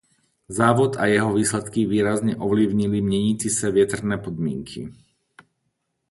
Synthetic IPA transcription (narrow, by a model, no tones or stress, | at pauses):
zaːʋɔt̪ajɛɦɔʋiːslɛt̪kiʋiːɾazɲɛʔɔʋliʊɲilimɲɛɲit͡sisaʋɪɛt̪r̩nɛːpɔd̪mɪɛ̰ŋkʰḭ